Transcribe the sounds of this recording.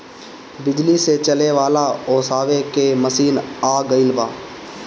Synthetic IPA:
bɪd͡ʒliset͡ʃəleʋaːlaoːsaːʋekeməsiːnaːɡəɪlbaː

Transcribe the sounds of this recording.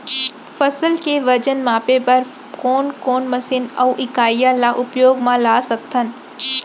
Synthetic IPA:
fəsəlkeʋəd͡ʒənmãːpebəɾ | koːnkoːnməsɪnɐuʔɪkaːjalaʔʊpjoːɡmãlaːsək̚t̪ʰən

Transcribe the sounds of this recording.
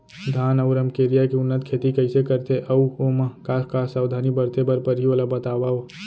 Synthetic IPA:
d̪ʱaːnəʊɾəmkeɾijakeʊnːət̪kʰet̪ikəɪsekəɾt̪ʰeʔəuoməkakasaːwd̪ʱaːnibəɾt̪ebəɾpəɾɦiʋəlabət̪abaw

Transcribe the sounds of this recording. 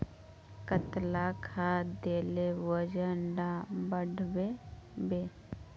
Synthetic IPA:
kət̪lakʰad̪eːlewəd͡ʒəɳɖabəɽʱbebe

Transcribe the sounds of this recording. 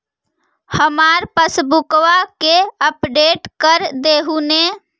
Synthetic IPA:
həmaɾpəsbukʋakeəpɖeʈkəɾd̪eɦune

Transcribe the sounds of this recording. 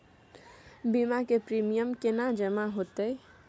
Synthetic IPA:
bimakepɾimijəmkenad͡ʒəmaɦot̪e

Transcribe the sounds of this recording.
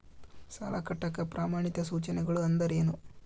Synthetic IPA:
sɐ̰lakɐʈːɐkːɐpɾʔaːmaːɳit̪ɐsuːt͡ʃɐnɛɡɐɭuɐnd̪ɐɾe̞ːnu

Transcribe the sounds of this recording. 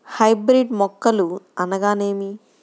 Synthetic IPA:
hɐjbɾiɖmɔkːɐluɐnɐɡaːne̞ːmi

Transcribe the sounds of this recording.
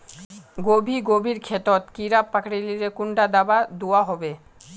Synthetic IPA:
ɡobʱiɡobʱiɾkʰet̪ot̪kiɾapːakɽiliɾekuɳɖad̪abad̪uaɦɔbe

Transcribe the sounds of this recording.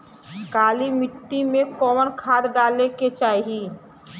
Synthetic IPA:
kaːlimɪʈːimekɔːmənkʰad̪ɖaleket͡ʃaːiɦi

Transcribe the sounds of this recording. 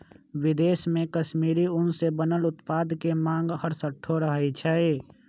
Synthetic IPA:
wɪd̪eːsmẽkəʃmiːɾiʊnsebənəlʊt̪paːd̪kemãːŋɡɦəɾsəʈʰoɾəɦɛt͡ʃʰɛe

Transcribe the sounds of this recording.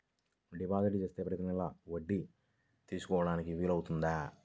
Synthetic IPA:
ɖibaːd̪ɐʈit͡ʃe̞ːst̪e̞ːpɾɐjɐt̪inilaʋoɖːi | t̪iːsu̥kɔːɐɽaːnikiʋiːlɐwut̪und̪aː

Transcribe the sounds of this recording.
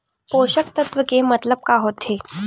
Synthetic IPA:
poɕəkt̪ət̪ʋəkemət̪ləb̚kaɦot̪ʰe

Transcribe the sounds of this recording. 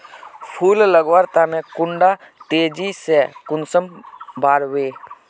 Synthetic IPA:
pʰuːlləɡʋaɾt̪anɛ̃kʊɳɖa | t̪eːd͡ʒisekʊnsəmbaːɾweː

